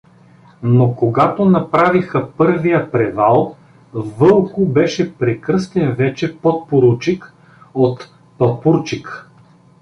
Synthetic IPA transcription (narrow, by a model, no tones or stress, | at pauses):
nokoɡat̪onɐpɾavixəpɤɾvijəpɾɛvalˠ | vɤlˠkʊbɛʃɛpɾɛkɾɤst̪ɛnvɛt͡ʃɛpot̪̚poɾut͡ʃik | ot̪ | pɐpuɾt͡ʃik